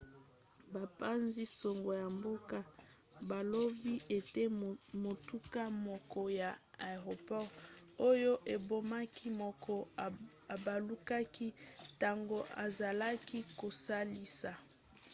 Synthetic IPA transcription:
ba˨pa˦nzi˦so˨ŋɡo˨ja˨mbo˦ka˦ | ba˨lo˦bi˦e˨te˦mo˨tu˦ka˦mɔ˨kɔ˨ja˨a˨ʁo˨pɔ˦ʁo˦jo˦ʔe˨bo˦ma˦kʰi˦mɔ˨kʰɔ˦˨ | ba˨lu˦ka˦ki˦ta˨ŋɡo˦a˨za˨la˦ki˦ko˨sa˦li˦sa˨

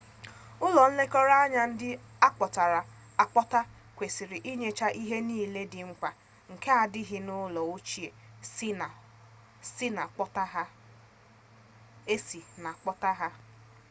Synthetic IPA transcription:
ʊ˦lɔ˨n̩˦le˦kɔ˦ɾa˦a˦ɲa˦n̩˦dɪ˦a˦k͡pɔ˨ta˨ɾa˨ | a˨k͡pɔ˦ta˦ | kʷe˨si˨ɾɪ˨ʔi˦ɲe˨t͡ʃa˦ʔi˦ɦe˦niː˦˨le˦dɪ˨ŋ͡m̩˦kʷa˨ | ŋ̩˨ke˦a˨dɪ˦ɦɪ˦nʊ˦lɔ˨o˦t͡ʃi˦e˨˦˨ | si˦na˨k͡pɔ˦ta˦ɦa˦ | e˦si˨na˨k͡pɔ˦ta˦ɦa˦

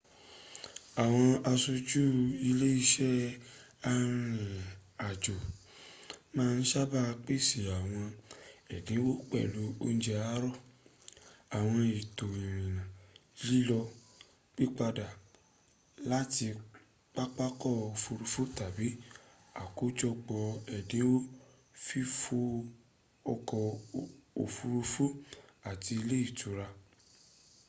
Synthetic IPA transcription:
a˨w̃ɔ̃˧a˧so˧d͡ʒu˦i˧le˦i˦ʃɛ˦ | a˧ɾ̃ĩ˧a˨d͡ʒo˨ | mãː˦˧n̩˦ʃa˦ba˦˧k͡pi˦si˨a˨w̃ɔ̃˧ɛ˨dĩ˨˦wo˦k͡pɛ̰˦˨lu˨˦o˦n̩˦d͡ʒɛ˧a˦ɾɔ˦˨ | a˨w̃ɔ̃˧i˨to˨ĩ˨ɾĩ˨nã˨li˦lɔ˧ | k͡pi˦k͡pa˧da˨ | la˦ti˧ | k͡pa˦k͡pa˦kɔ˦˨o˨fu˧ɾu˧fu˦ta˨bi˨˦ | a˨ko˦d͡ʒɔ˧ɡ͡bɔ˨ɛ˨dẽ˨˦wo˦ | fi˦fo˦ | ɔ˧kɔ˧ | o˨fu˧ɾu˧fu˦a˨ti˧i˧le˦i˦˨tu˨˦ɾa˧

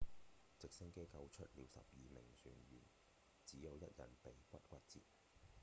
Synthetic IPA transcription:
t͡sɪ˨k̚sɪ˥ŋke˥kɐ˧wt͡ʃʰɵ˥t̚liː˨˧wsɐ̰˨p̚jiː˨mɪ˨˩ŋsyː˨˩nɥyː˨˩n | t͡siː˨˥jɐ˨˧wjɐ˦˥t̚jɐ̰˨˩npe˨˥jkʷɐ˥t̚kʷɐ˥t̚t͡sḭː˨t̚

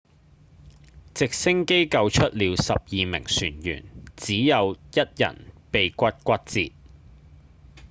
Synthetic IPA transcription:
t͡sɪ˨k̚sɪ˥ŋke˥jkɐ˧wt͡ʃʰɵ˥t̚liː˨˧wsɐ˨p̚jiː˨mɪ̰˨˩ŋsyː˨˩njy̰ː˨˩nt͡siː˨˥jɐ˨˧wjɐ˥t̚jɐ̰˨˩npe˨jkʷɐ˥t̚kʷɐ˥t̚t͡sḭː˧t̚

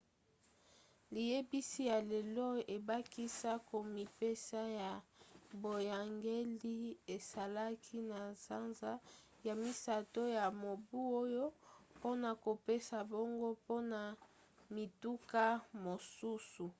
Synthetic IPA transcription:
li˨je˦bi˦si˦ja˨le˨lɔ˦e˨ba˦ki˦sa˦ko˨mi˨pe˦sa˦ja˨bo˨ja˨ŋɡe˦li˦e˨sa˨la˦kʰi˦na˨z̥a˦nza˦ | ja˨mi˨sa˨to˦ja˨mo˨bu˦o˦jo˦po˦na˨ko˨pe˦sa˨bo˦ŋɡo˦po˦na˨ | mi˨tu˦ka˦mo˨su˦su˨

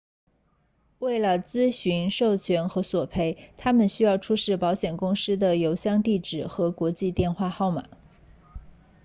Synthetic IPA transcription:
we˥˩ɪlə˩t͡sɹ̩˥ɕy˧˥nʂo˥˩ʊt͡ɕʰɥɛ˧˥nxɤ˧˥swɔ˨˩pʰe˥˩ɪt̪ʰa˥mə˨nɕy˥jɑ˥˩ʊʈ͡ʂʰu˥ʂɻ̩˥˩pɑ˧˥ʊɕjɛ˨˩nkʊ˥ŋʂ̩˥d̪ə˨jo˧˥ʊɕjɑ˥˧ŋt̪i˥˩ʈ͡ʂɻ̩˨˩xɤ˧˥kwɔ˧˥t͡ɕi˥˧t̪jɛ˥˧nxwa˥˧xɑ˥˩ʊma̰˨˩˦

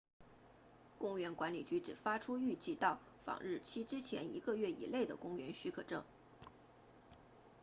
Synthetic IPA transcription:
kʊ˥ŋɥɛ˧˥nkwa˧˥nlḭ˨˩t͡ɕy˧˥ʈ͡ʂɻ̩˨˩fa˥ʈ͡ʂʰu˥y˥˧t͡ɕi˥˧t̪ɑ˥˩ʊ | fɑ̰˨˩ŋɻɻ̩˥˩t͡ɕʰi˥ʈ͡ʂɻ̩˥t͡ɕʰjɛ̰˧˥nḭ˧˥ɡə˧ɥɛ˥˩ḭ˨˩le˥˩ɪd̪ə̰˩kʊ˥ŋɥɛ̰˧˥nɕy˥kʰɤ˨˩ʈ͡ʂɤ̰˥˩ŋ

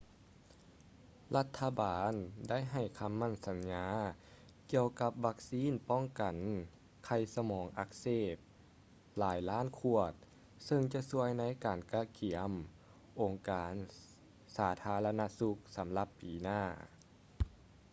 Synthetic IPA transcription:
la˧˥t̪ʰːa˧baː˨nda˥˩˨jɦa˨˩jkʰa˧˥mːa˧˥˩nsa˨˦nɲaː˧˥ | ki˧əwka˧p̚ʋa˧˥k̚siː˧˥˨npɔ˥˩ŋka˨˩n | kʰa˧˩jsa˧mɔː˨˩˦ŋʔa˧˥k̚seː˧˩p̚ | laː˨˩˦jlaː˥˨nkʰu˧ət̪̚ | sɤ˧ŋt͡ɕa˧˦su˧əjna˧˥˨jkaː˨˩nkaː˧˥kʰi˨˩˦əm | ʔo˨˩ŋkaː˨˩n | saː˩˦t̪ʰaː˧˥la˧na˧˥su˧˦k̚sa˨˦mla˧˦pːiː˨˩naː˥˩

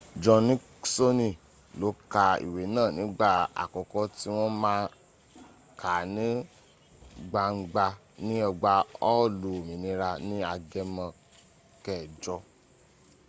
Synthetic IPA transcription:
d͡ʒɔ̃˧nĩ˦ | so˦nĩ˦˨ | lo˨˦ka˧ḭ˨we˨˦nãː˦˨nĩ˨˦ɡ͡ba˦˨a̰˨kɔ˨kɔ˦ti˦w̃ɔ̃˦mãː˦ | kʰa˨nĩ˦ | ɡ͡ba˧ŋ͡m̩˦ɡ͡ba˧ | nĩ˦ɔ˧ɡ͡ba˧ɔ˦˨lu˨o˨mĩ˨nĩ˧ɾa˧nĩ˦a˧ɡɛ˧˦mã˧ | kɛ˦˨d͡ʒɔ˧˦

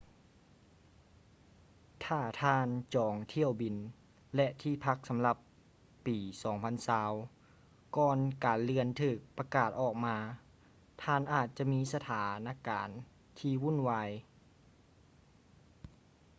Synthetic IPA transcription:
t̪ʰaː˧˩t̪ʰaː˧˩nt͡ɕɔː˨˩˦ŋt̪ʰi˧˩˨əwbi˨˩n | lɛ˧ʔt̪ʰiː˧˩pʰa˧˥k̚sa˨˦mla˧˩pː | iː˨˩sɔː˨˩˦ŋpʰa˧˥˨nsaː˧w | kɔː˧nkaː˨˩nlɯ˧ənt̪ʰɯː˧˩k̚pa˧kaː˨˩t̪̚ʔɔː˨˩k̚maː˧˥ | t̪ʰaː˧˩˨nʔaː˨˩t̪̚t͡ɕa˧˨ʔmiː˦˥sa˧t̪ʰaː˨˦naː˧˥˨ka̰ː˨˩n | t̪ʰiː˧wu˧˥˨nwaː˧j

